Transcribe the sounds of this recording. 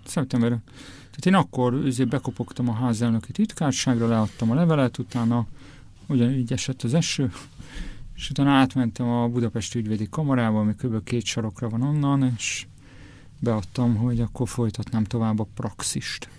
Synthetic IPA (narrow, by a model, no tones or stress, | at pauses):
sɛp̚t̪ɛmbɛɾ | t̪aːt̪eːnɒkːo̞røzeːbɛko̞po̞kt̪ɒmɒɦaːzɛlnøkit̪it̪kaːrʃaːɡrɒlɛɒt̪ːɒmɒlɛvɛlɛt̪ut̪aːnɒ | oɟɒnyːɟɛʃɛt̪ːɒzɛʃøː | eʃut̪aːnɒaːt̪mɛnt̪ɛmɒbud̪ɒpɛʃt̪iyɟveːd̪ikɒmɒɾaːbɒmikøbølkeːt̪ʃɒɾo̞krɒvɒno̞nːɒneːʃ | bɛɒt̪ːɒmɦo̞ɟɒkːo̞rfo̞jt̪ɒt̪naːmt̪o̞vaːbːɒprɒksiʃt̪